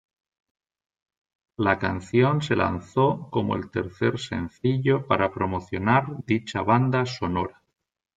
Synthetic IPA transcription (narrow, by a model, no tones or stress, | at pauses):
lakanθjonse̞la̰n̟θoko̞moḛlt̪eɾθeɾse̞̰n̟θiʎopaɾapɾomoθjo̞naɾd̪it͡ʃaβ̞and̪aso̞noɾa